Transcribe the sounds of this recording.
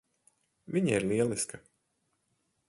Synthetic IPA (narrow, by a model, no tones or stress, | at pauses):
vʲiɲaiɾlˠiɛlˠiskɐ